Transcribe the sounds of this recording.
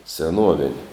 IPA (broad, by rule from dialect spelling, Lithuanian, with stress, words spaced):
sʲɛˈnuɔʋʲɪnʲ